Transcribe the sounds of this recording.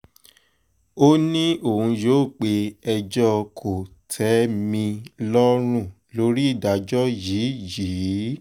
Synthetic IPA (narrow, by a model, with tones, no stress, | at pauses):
o˦nĩ˦o˦˨hũ˧jo˦˨k͡pe˧ɛ˧d͡ʒɔ˦kʰo˨tʰɛ˨˦mĩ˧lɔ˦ɾ̃ũ˦˨ | lo˦ɾi˦i˦˨da˨d͡ʒɔ˦jiː˨˦jiː˨˦